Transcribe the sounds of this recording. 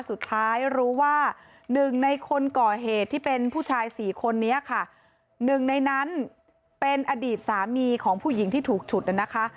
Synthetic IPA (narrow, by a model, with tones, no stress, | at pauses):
su˨˩t̪ʰːaː˦˥jɾuː˦˥waː˥˩ | nɯ˨˩ŋna˧jkʰo˧nkɔː˨˩ɦeː˨˩t̪ʰːiː˥˩pe˧npʰuː˥˩t͡ɕʰaː˧jsiː˨˩˦kʰo˧nːi˦˥ɐkʰa˥˩ | nɯ˨˩ŋna˧jna˦˥n | pe˧nʔa˧diː˨˩t̪̚saː˩˦miː˧kʰɔː˩˦ŋpʰuː˥˩ji˩˦ŋt̪ʰiː˥˩t̪ʰuː˨˩k̚t͡ɕʰu˨˩t̪̚ʔa˨˩na˦˥kʰa˦˥